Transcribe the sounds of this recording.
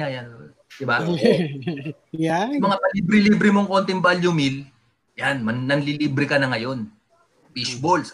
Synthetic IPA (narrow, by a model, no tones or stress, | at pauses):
ajan | d̪̥ɪba | jamɐŋapɐlibɾɪlibɾɪmo̞ŋko̞nt̪ɪŋbaljʊmil | janmɐnnɐnliliːbɾɪkɐnɐŋɐjo̞n | piʃbols